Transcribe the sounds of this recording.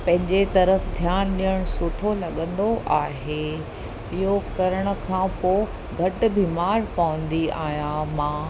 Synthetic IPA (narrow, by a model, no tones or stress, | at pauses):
pɐ̃ɦɪ̃ɲd͡ʑet̪ɐɾəfd̪ʱjaːnɗijəɽ̃ʊsʊʈʰolɐɠə̃nd̪oʔaːɦe | ɪɦokɐɾəɽ̃ə̆kʰãːpoː | ɡʱɐʈ̆biːmaːɾpɐʋə̃n̆d̪ia̰ːɦijãmãː